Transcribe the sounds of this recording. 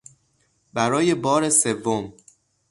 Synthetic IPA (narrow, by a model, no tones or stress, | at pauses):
bæɾɒːje̞bɒːɾe̞se̞vːom